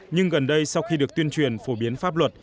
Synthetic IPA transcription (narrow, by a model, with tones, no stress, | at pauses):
ɲɨ˧ŋɣə˨˩nɗə˧jsa˧wxi˧ɗɨ˨˩ək̚t̪wənt͡ɕwi˨˩ənfo˧˩ɓi˨˦ənfaː˦˥p̚lwə˨˩t̚